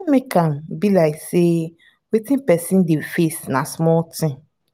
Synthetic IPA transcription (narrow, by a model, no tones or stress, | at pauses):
mĩkʰãm̩bilaɪkse | wetĩn̩pɛsĩn̩defesnasmɔltɪ̃